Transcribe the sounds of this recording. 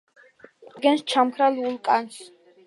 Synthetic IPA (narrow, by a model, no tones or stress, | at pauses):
ɡɛnst͡ʃʰamkʰɾalulˠkʼans